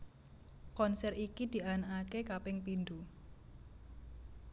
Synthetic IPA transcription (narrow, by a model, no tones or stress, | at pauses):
kɔnsɛrikid̪̥i̤ʔanaakekapɪŋpind̪u